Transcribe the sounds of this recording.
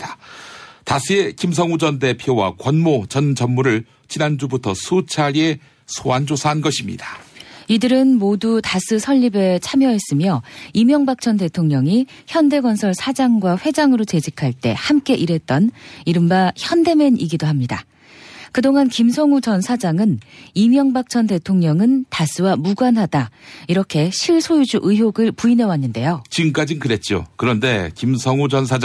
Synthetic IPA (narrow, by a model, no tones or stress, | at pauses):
a | tasʰie̞kimsʰʌŋud͡ʑʌnde̞pʰjowa̰kwʌnmot͡ɕʌnd͡ʑʌnːuɾɯɭ | t͡ɕinand͡ʑubutʰʌsʰut͡ɕʰaɾie̞ | sʰoand͡ʑosʰaɦanɡʌɕʰimɲḭdḁidɯɾɯnmodutasʰɯsʰʌʎːibe̞t͡ɕʰamjʌɦe̞s͈ɯmjʌimjʌŋbak̚t͡ɕ͈ʰʌnte̞tʰoŋɲʌŋi | çjʌnde̞ɡwʌnsʰʌɭsʰad͡ʑaŋɡwaɸwe̞d͡ʑaŋɯɾot͡ɕe̞d͡ʑikʰaɭt͈e̞̰hamk͈e̞ʔiɾe̞t̚t͈ʌniɾɯmbaçjʌnde̞me̞nʔiɡidoɦamɲida̰ | kɯdoŋankimsʰʌŋut͡ɕʌnsʰad͡ʑaŋɯnimjʌŋbak̚t͡ɕ͈ʰʌnte̞tʰoŋɲʌŋɯntas͈ɯwamuɡwanɦadaiɾʌkʰe̞ɕʰiɭsʰojud͡ʑuʔɯɦjoɡɯɭpuine̞wanːɯnde̞jot͡ɕiŋk͈ad͡ʑinkɯɾe̞t̚t͡ɕ͈o̰kɯɾʌnde̞kimsʰʌŋud͡ʑʌnsʰad͡ʑ